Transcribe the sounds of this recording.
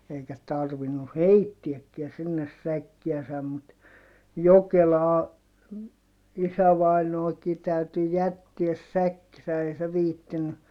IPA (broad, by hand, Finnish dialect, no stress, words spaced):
eikæ tɑrʋinu heitːiækːiæ sinːes sækːiæsæm mut jokelɑː isæʋɑinoːki tæyty jætːiæs sækːisæ ei se ʋiːtːiny